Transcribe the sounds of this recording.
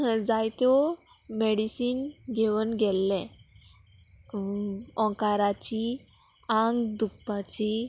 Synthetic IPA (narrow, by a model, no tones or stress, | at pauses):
d͡zajt̪ɔ | meɽisiːnɡeʋənɡɛlːɛ̃ | ɔ̃kaɾat͡ɕi | ãŋɡd̪ukpat͡ɕi